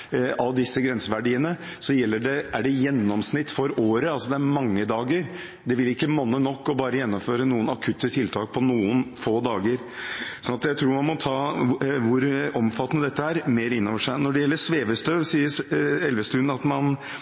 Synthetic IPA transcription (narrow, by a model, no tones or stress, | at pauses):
ʔɑʋd̪ɪsːəɡɾɛnsəʋæɖiːənəsɔjɛlːəɖɛæɖɛjɛnːɔmsnɪt̪ːfɔɾoːɾəɑlsɔd̪ɛæɾmɑŋːəd̪ɑːɡəɾ | d̪ɛʋɪlɪkːəmɔnːənɔkːɔbɑːɾəjɛnːɔmføːɾənuːənɑkʰʉt̪ːət̪ʰɪlt̪ʰɑːk̚pʰɔnuːənfoːd̪ɑːɡəɾ | ssɔnɑt̪jæɪt̪ʰɾuːɾmɑnmɔt̪ʰɑːʋʊɾɔmfɑt̪ːənəd̪ɛt̪ːəæɾmeːɾɪnːɔʋəʂæɪnɔɖɛjɛlːəʂʋeːʋəst̪øːʋsiːəɛlʋəst̪ʉnɑt̪mɑn